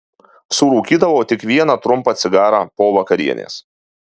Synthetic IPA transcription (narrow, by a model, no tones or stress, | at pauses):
sʊɾuːkʲiːd̪ɐʋoːt̪ʲɪkʋʲiɛnɑt̪ɾʊmpɐːt̪sʲɪɡɑːɾɑːpoːʋɐkɐɾʲḭɛnʲḛːs